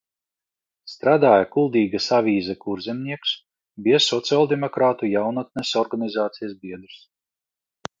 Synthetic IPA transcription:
st̪ɾaːd̪aːjakulˠd̪iːɡasavʲiːzakuɾzʲɛmnʲiɛks | biɛsɔt̪siɔlˠd̪ɛmɔkɾaːt̪ujawnɔt̪̚nʲɛsɔɾɡanizaːt̪sijasbiɛd̪ɾs

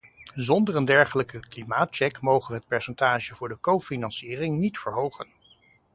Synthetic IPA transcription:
zɔndəɹəndɛɹχələkəklimaːt̚t͡ʃɛkmowχənəɦət̚pɛɹsɛntaːʒəvʊːɹdəkowfinɑnsiːrɪŋnitfəɹɦowχən

